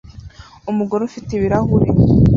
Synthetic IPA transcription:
umuɡoɾofiteβiɾahuɾi

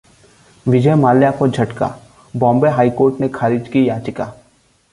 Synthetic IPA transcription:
ʋɪd͡ʒəjmaːljakod͡ʒʱɐʈka̰ː | bɔ̃ːmbeɦaːikoːɾʈnekʰaːɾid͡ʒkijaːt͡ʃɪka̰ː

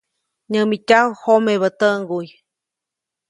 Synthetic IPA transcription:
ɲəmitʲawhomeβət̪əŋɡuj

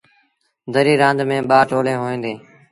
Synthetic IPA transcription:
d̪əɾiːɾãːnd̪mẽːɓaːʈoːlẽːɦoːĩːnd̪eː

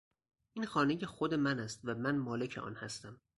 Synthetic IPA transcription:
ʔiːnxɒːnejexod̪e̞mænæst̪væmænmɒːle̞cʰeʔɒ̰ːnhæst̪æm

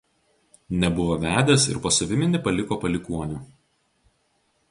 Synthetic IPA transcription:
nʲɛbʊʋoːʋʲæːd̪ʲeːsɪ̰ɾpoːsɐʋʲɪmʲɪnʲɪpɐlʲɪkoːpɐlʲɪkuɔnʲuː

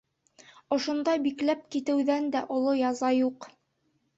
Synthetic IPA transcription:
ŏʃŏnd̪ɑbiklæp̚kit̪ɘ̆wðænd̪æʔŏlˠojɑzɑjuq

